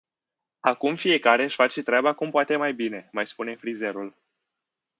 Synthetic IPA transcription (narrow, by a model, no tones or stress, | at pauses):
akumfije̞kaɾe̞ʃʲfat͡ʃet̪ɾʲabakumpoat̪e̞majbine̞majspune̞fɾize̞ɾul